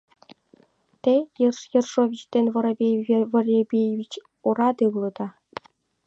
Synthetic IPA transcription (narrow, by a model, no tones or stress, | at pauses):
t̪ʲejɯrʂjɤ̆rʂoʋʲiɕt̪ʲenʲʋɤ̆ɾɤ̆bʲeʋɤ̆rʲebʲevʲit͡ɕ | uɾɑd̪ɯʋlˠɤ̆d̪ɑ